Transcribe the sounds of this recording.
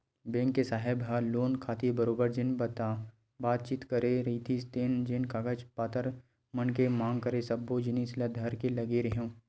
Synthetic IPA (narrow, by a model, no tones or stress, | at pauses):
bẽːŋkːesaːɦɪbɦaloːnkʰaːt̪ibəɾoːbəɾd͡ʒɪnbət̪a | baːt̪̚t͡ʃiːt̪kəɾeɾit̪ʰist̪eːnd͡ʒɪnkaɡət͡ʃpaːt̪əɾ | mənkemãːŋɡ̚kəɾesɐbːod͡ʒɪnislad̪ʱɐɾkelɐɡeɾəɦõː